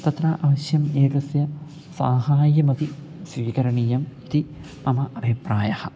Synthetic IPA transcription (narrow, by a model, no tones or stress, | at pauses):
t̪ɐt̪raʔɐʋɐɕjɐmeːɾɐsjɐ | saːhaːjɐmɐt̪i | sʋiːkɐɾɐɳiːjɐmit̪i | mɐmɐʔɐbʱipraːjɐhɐ